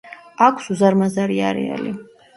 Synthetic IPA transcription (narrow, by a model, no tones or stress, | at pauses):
akʷʰsuzaɾmazaɾiaɾɛ̰a̰li